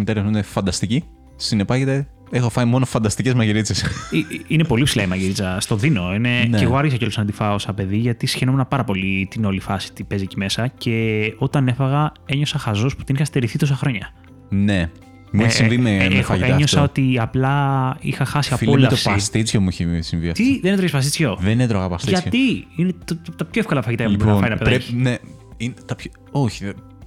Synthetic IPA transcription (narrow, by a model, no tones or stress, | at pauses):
mit̪ɐɾɐund̪efɐnd̪ɐst̪ici | sinepɐʝet̪e | exofɐimo̞nofɐnd̪ɐst̪icezmɐʝiɾit͡sisiinepo̞lipsilɐimɐʝiɾit͡sɐst̪o̞ðino̞ine̞neɣoɐɾʝisɐceolosɐnd̪ifɐosɐpe̞ðiʝɐt̪isi̥çenomenɐpɐɾɐpo̞lit̪ino̞lifɐsi̥t̪ipe̞zicime̞sɐce̞o̞t̪ɐne̞fɐɣɐe̞ɲo̞sɐxɐzospu̥t̪inixɐst̪eɾiθit̪o̞sɐxɾo̞ɲɐ | ne | mueçessivimeefɐeɲosɐo̞t̪iɐplɐixɐxɐsiɐfolɐt̪ofsist̪it͡sçomuiçesiɱviɐ̰ft̪iðenet̪ɾoçspɐst̪it͡sço̞ðenet̪ɾoɣɐpɐst̪iʝɐt̪iinet̪ot̪ɐpçoefkolɐfɐʝit̪aɐmboɾnɐofɐɾinɐpeðɐçine | int̪ɐpço | oçi̥